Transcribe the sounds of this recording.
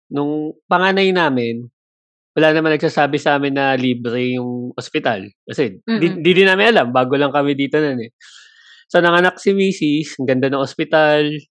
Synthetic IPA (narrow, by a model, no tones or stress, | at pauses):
nʊŋpɐŋaːnɐjnaːmɪn | wɐlaːnɐmanɐɡ̚saːsaːbɪsɐʔaːmɪnːɐliːbɾɛjʊŋʔospɪt̪alkɐsɛd̪ind̪id̪ɪnaːmɪnʔɐlambaːɡo̞lɐŋkɐmɛd̪iːt̪onɐnɛ | sonɐŋɐnak̚sɪmiːsɪsɡɐnd̪anɐŋʔospɪt̪al